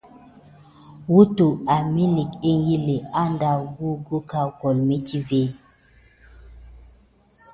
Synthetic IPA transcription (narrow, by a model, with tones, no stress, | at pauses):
wu˦tu˨a˨mi˦li˨ke˦ŋ˦ɡi˦le˨a˦nda˨ɡu˦ɡu˦ka˦kɔ˨lme˦ti˦ve˦